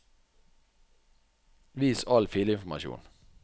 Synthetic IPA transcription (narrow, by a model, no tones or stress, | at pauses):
ʋiːsɑlfiləɪnfɔmɑ̰ʃṵːn